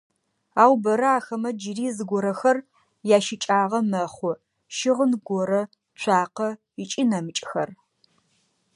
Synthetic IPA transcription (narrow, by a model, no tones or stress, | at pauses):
aːwbɐɾɐaːxɐmɐd͡ʒɪriːzɨɡʷɔɾɐxɐr | jaːʃɪt͡ʃʼaːʁɐmɐχʷɔ | ʃɪʁənɡʷɔɾɐ | t͡ʃʷʰaːqɐ | ɪt͡ʃʼɪnɐmɨt͡ʃʼxɐr